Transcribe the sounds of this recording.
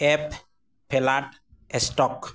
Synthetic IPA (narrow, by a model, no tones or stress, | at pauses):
ep | pʰːelaʈ | esʈɔk